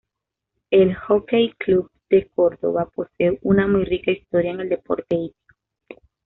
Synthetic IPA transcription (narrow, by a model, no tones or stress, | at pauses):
elxokejklub̚d̪̥e̞koɾðo̰βapo̞seunamujrikaist̪o̞ɾjaeŋe̞ld̪e̞po̞̰ɾt̪e̞ipi̥ko